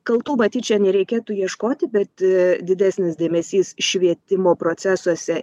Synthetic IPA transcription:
kɐlˠt̪uːmɐt̪ʲiːt͡ʃʲɛnʲɛɾʲɛɪkʲeːt̪uːjiɛʃkoːt̪ʲɪbʲɛt̪d̪ʲɪd̪ʲæːsʲnʲɪsd̪ʲeːmʲɛsʲiːsʃʲʋʲiɛt̪ʲɪmoːpɾoːt̪sʲæsuɔsʲɛ

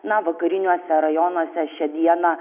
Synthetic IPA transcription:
nɐʋɐkɐɾʲɪnʲuɔsʲɛɾɐjɔnuɔsʲɛʃʲɛd̪ʲiɛnɐ

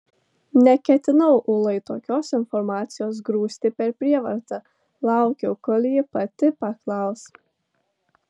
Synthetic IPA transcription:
nʲɛkʲɛt̪ʲɪnɐʊʔʊlˠɐɪt̪oːkʲoːsɪnfɔɾmɑːt̪sʲɪjoːs̬ɡɾuːsʲt̪ʲɪpʲɛɾpʲɾʲiɛʋɐ̰ɾt̪ɐ | lˠɑˑʊkʲɛʊkɔlʲjɪpɐt̪ʲɪpɐklˠɐˑʊs

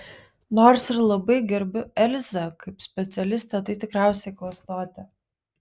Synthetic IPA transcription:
noːɾsɪɾlˠɐbɐɪɡʲɛɾʲbʲʊɛlʲzɐkɐɪpsʲpʲɛt̪sʲɛlʲɪsʲt̪ʲɛt̪ɐɪt̪ʲɪkɾæˑʊsʲɛɪklˠɐst̪oːt̪ʲɪ

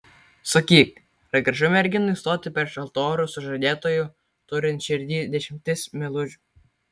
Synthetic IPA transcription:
sɐkʲiːk | ɾɐɡɾɐʒʊmʲɛɾʲɡʲɪnʊist̪oːt̪ʲɪpʲɛɾʃɐlˠt̪oːɾʊsʊʒɐd̪ʲeːt̪oːju | t̪ʊɾʲɪnt̪ʲʃʲɪɾʲd̪ʲiːd̪ʲɛʃʲɪmʲt̪ʲɪsmʲɛlˠʊʒʲʊ

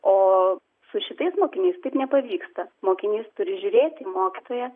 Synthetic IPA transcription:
oː | sʊʃʲɪt̪ɐɪsmoːkʲɪnʲɛɪst̪ɐɪpnʲɛpɐʋʲiːkst̪ɐmoːkʲɪnʲɛɪst̪ʊɾʲɪʒʲʊɾʲeːt̪ʲɪmoːkʲɪt̪oːjɛ

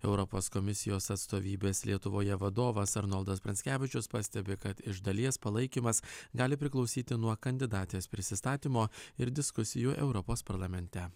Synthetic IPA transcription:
ɛʊɾɔpoːskɔmʲɪsʲɪjoːsɐt̪st̪oːʋʲiːbʲeːslʲiɛt̪ʊʋoːjɛʋɐd̪oːʋɐsɐɾnɔlˠd̪ɐspʲɾʲɐnʲsʲkʲæːʋʲɪt͡ʃʲʊspɑsʲt̪ʲɛbʲekɐt̪ɪʒd̪ɐlʲiɛspɐlˠɐɪkʲiːmɐsɡɑːlʲɪpʲɾʲɪklˠɒʊsʲiːt̪ʲɪnuɔkɐnʲd̪ʲɪd̪ɑːt̪ʲespʲɾʲɪsʲɪst̪ɑːt̪ʲiːmoːɪɾd̪ʲɪskʊsʲɪjuʔɛʊɾɔpoːspɐɾlˠɐmʲɛnʲt̪ʲɛ

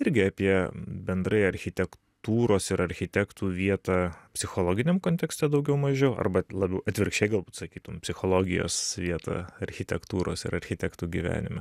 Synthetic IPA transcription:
ɪɾʲɡʲɪɑːpʲiɛbʲɛnd̪ɾɐɪɐɾʲxʲɪt̪ʲɛkt̪uːɾoːsɪɾɐɾʲxʲɪt̪ʲækt̪uːʋʲiɛt̪ɑːpʲsʲɪxoːlˠoːɡʲɪnʲɛmkoːnʲt̪ʲɛksʲt̪ʲɛd̪ɐʊɡʲɛʊmɐʒʲɛɐ̰ɾbɐlˠɑbʲɛʊɐt̪ʲʋʲɪɾkʃt͡ʃʲɛɪɡɐlˠbuːt̪sɐkʲiːt̪ʊmpʲsʲɪxoːlˠoːɡʲɪjo̰ːsʋʲiɛt̪ɐ̰ːɐɾʲxʲɪt̪ʲɛkt̪uːɾoːsɪ̰ɾɐɾʲxʲɪt̪ʲækt̪uːɡʲiʋʲæ̰ːnʲɪmɐ

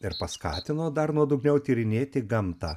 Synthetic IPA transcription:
ɪɾpɐskɑ̰ːt̪ʲɪnoːd̪ɐɾnuɔd̪ʊɡnʲɛʊt̪ʲiːɾʲɪnʲeːt̪ʲɪɡɐmt̪ɑː

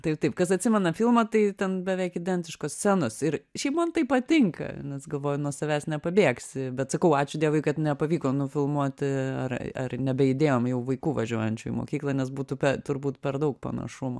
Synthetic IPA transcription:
t̪ɐɪpt̪ɐɪpkɐsɐtʲsʲɪmʲɛnɐfʲilˠmɐt̪ɐɪtʲɛnbʲɛʋʲɛɪkɪd̪ʲɛnʲt̪ʲɪʃkosʲt͡sʲænoːsɪɾʃʲɛɪpmɐnt̪ɐɪpɐt̪ʲɪŋkɐ̰nʲɛsɡɐlˠʋoːjʊnuɔsɐʋʲæːsnʲɛpɐbʲeːksʲɪbʲɛt̪sɐkɐʊɑːt͡ʃʲʊd̪ʲiɛʋʊɪkɐt̪nʲɛpɐʋʲiːkoːnʊfʲɪlˠmuɔt̪ʲɐrɐrnʲɛbʲɛjɪd̪ʲeːjoːmjɛʊʋɐɪkuːʋɐʒʲuɔjɛnʲt͡ʃʲʊːḭmo̰ːkʲiːklˠɐːnʲɛsbuːt̪upʲɛt̪ʊrbuːt̪pʲɛrd̪ɐʊk̚pɐ̰nɐ̰ʃʊmo̰

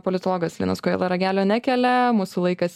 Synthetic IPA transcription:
poːlʲɪt̪oːlˠoːɡɐslʲḭːnɐskoḛlˠɐɾɐɡʲæːlʲoːnʲækʲɛlʲɛmuːsʊlˠɐɪkɐs

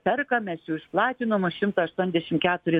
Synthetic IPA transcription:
pʲɛrkɐmʲɛsjɛʊɪʃplˠɑːt̪ʲɪnomɐʃʲɪmt̪ɐɐʃt̪uɔnʲzd̪ʲɛʃʲɪmkʲæːt̪ʊɾʲɪ

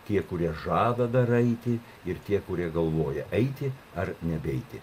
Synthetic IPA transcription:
t̪ʲiɛkʊɾʲiɛʒɑːd̪ɐd̪ɐɾɛɪt̪ʲɪ | ɪrt̪ʲiɛkʊɾʲiɛɡɐlˠʋoːjɛʔɐɪt̪ʲɪɐrnʲɛbʲɛɪt̪ʲɪ

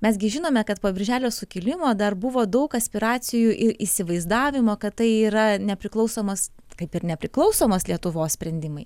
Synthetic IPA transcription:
mʲɛs̬ɡʲɪʒʲɪnoːmʲɛkɐt̪poːbʲɪɾʲʒʲæːlʲoːsʊkʲɪlʲɪmoːd̪ɐrbʊʋoːd̪ɐʊkɐsʲpʲɪɾɑːt͡s̪ʲɪjuːʔɪɾʔisʲɪʋɐɪzd̪ɑːʋʲɪmoːkɐt̪tɐɪiːɾɐnʲɛpʲɾʲɪklˠɐʊsoːmos | kɐɪpɪɾnʲɛpʲɾʲɪklˠɐʊsoːmoːslʲiɛt̪ʊʋoːssʲpʲɾʲɛnʲd̪ʲɪmɐɪ

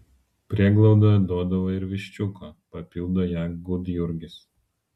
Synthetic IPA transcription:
pʲɾʲiɛɡlˠɐʊd̪ɐd̪uɔd̪ɐʋɐɪɾʋʲɪʃʲt͡ʃʲʊkoːpɐpʲɪlˠd̪oːjæːɡʊd̪jʊɾʲɡʲɪs

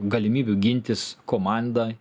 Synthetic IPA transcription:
ɡɐlʲɪmʲiːbʲʊɡʲɪnʲt̪ʲɪskoːmɑˑnd̪ɐ

